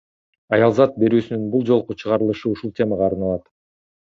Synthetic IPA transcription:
ɑjɑlˠzɑt̪̚be̞ɾyːsynynbulˠd͡ʒo̞lˠqut͡ʃʰɯʁɑɾɯlˠɯʃɯuʃulˠtʲʰe̞mɑʁɑːɾnɑlˠɑt̪

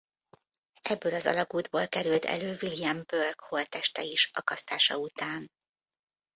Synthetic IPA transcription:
ɛbːøːlɒzɒ̰lɒɡuːd̪boːlkɛɾylt̪ɛ̰løːvilijɛmbørkhoːlt̪ɛʃt̪ɛiʃɒkɒst̪aːʃɒut̪aːn

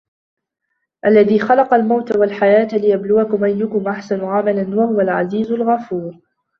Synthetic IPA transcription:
ʔalːaðiːxɑlɑqɑlmawt̪awalħajaːt̪lɪjablʊwakʊmʔajːʊkʊmʔaħsanʊʕamalanwahʊwalʕa̰ziːzʊlɣafuːɾ

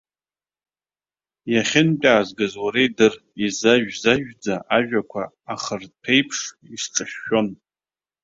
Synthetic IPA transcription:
jaχʲɪnpʲʼaːzɡazwaɾejdɨr | izaʒᶣzaʒᶣd͡zaʔaʒᶣakʷʰaː | χərpʰejpʰʂ | isʈ͡ʂʼɨʃːo̞n

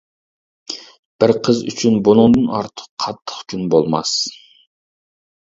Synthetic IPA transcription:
b̥ɪɾqʰəzy̰t͡ʃʰynbunɨŋd̪ɨnɑɾt̪ʰə̥qqʰɑt̪ʰːə̥χkʲʰynbolˠmɑ̰s

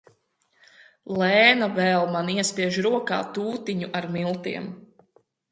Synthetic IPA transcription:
lˠɛːnavɛːlˠmaniɛspiɛʒɾuɔka̰ːt̪uːt̪iɲuʔaɾmilˠt̪iɛm

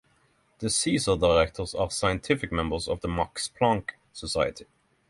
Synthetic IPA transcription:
ðəsiːsəd̪aɪʁɛkt̪ʰəʁsæːʁsaɪə̃nt̪ʰɪfɪkmɛ̃mbəsɔ̰vðəmɑkspʰlɑ̃ŋk | səsaɪət̪ʰɪ̥

